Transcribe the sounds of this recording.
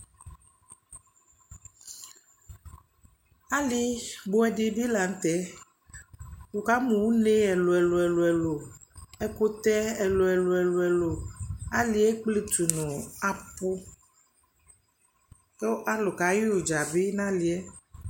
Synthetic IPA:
a˦li˦bo˦ɛ˨ɖi˦bi˦la˨ŋ̩˦t̪ɛ˦ | wo˨ka˦mũ˨wu˦nẽ˦ɛ˨lo˨ɛ˨lo˨ɛ˨lo˨ɛ˨lo˨ɛ˦ko˦t̪ɛ˦ɛ˨lo˨ɛ˨lo˨ɛ˨lo˨ɛ˨lo˨a˦li˨ɛ˦k͡ple˦t̪u˨nũ˨a˨po˦ | ke˦wo˦ʔa˦lo˨ka˨˦ji˦wu˨d͡ʒa˨bi˦nã˦li˨ɛ˦

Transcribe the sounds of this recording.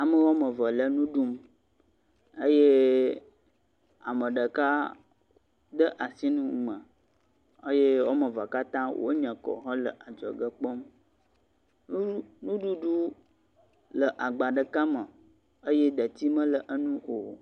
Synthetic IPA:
a˨mə˦wo˦mə̃˨və˨lə˦nũ˦ɖu˦m | ə˦je˦ | a̰˨mə̃˨ɖə˨ka˦ | d̪ə˦ʔa˨si˦nũ˦mə̃˨ | ə˦je˦wo˦mə̃˨va˨ka˦t̪ã˦wʔo̰˦ɲɛ̃˨kɔ̰˨ɦɔ̃˦lə̰˨ʔa˨d͡ʒɔ̰˨ɡə˦k͡pɔ˦m | u˦nũ˦ɖu˦ɖu˦ | lə˨ʔa˨ɡ͡ba˨ɖə˨ka˦mə˨ | ə˦je˦ɖ̪ə˨t̪i˦mə̃˦lə˨ʔə˦nũ˦o˨

